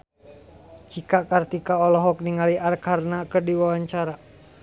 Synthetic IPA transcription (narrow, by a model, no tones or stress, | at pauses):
t͡ʃikakart̪ikaɔlɔɦɔk̚niŋaliʔarkarnakərdiwawaɲt͡ʃaɾa